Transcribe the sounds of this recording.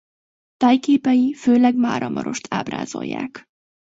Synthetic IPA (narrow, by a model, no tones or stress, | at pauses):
t̪aːjkeːpɛjiføːlɛɡmaːɾʔɒmʔɒɾo̞ʃt̪ʰaːbra̰ːzo̞̰jːaːk